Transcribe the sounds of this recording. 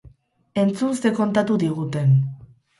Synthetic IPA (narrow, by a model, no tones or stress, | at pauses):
e̞nt͡suse̞ko̞nt̪at̪uðiɣ̞ut̪e̞n